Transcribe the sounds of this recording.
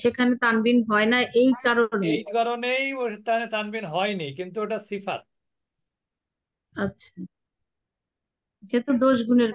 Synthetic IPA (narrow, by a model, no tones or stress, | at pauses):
ʃekʰanet̪anbinɦɔenaʔejkaɾonejkaɾonejot̪anet̪anbinɦɔenikint̪ueʈasifa̰t̪̚ | atːɕʰa | d͡ʑet̪od̪oʃɡuneɾ